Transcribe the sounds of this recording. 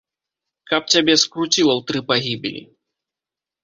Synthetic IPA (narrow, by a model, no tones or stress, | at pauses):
kɐp̚t͡sʲabʲɛskɾut͡sʲiwɐwt̪ɾɨpaɣʲibʲḭlʲḭ